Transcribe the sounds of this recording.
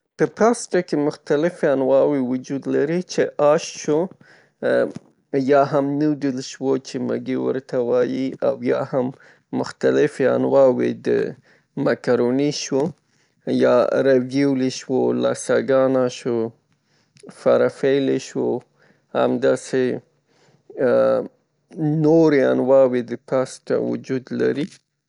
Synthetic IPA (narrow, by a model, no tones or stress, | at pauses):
pəpɑsʈakemʊxt̪alɪfeanwɑwewʊd͡ʒud̪laɾit͡ʃeʔɑʃʃo | jɑɦamnud̪əlʃwot͡ʃema̰ɡewə̰ɾt̪awɑjiawjɑhamː | ʊxt̪alɪfea̰nwɑwḛd̪ə̰ | makaɾoniʃwo | jɑɾawjuwleʃwolɑsaɡɑnaʃo | faɾafeleʃwo | ha̰md̪ɑse | noɾea̰nwɑwed̪əpɑst̪a̰wʊ̰d͡ʒud̪la̰ɾi